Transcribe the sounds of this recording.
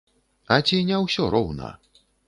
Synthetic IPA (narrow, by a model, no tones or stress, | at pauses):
ɐt͡sʲinʲɛwsʲɔɾɔwnɐ̰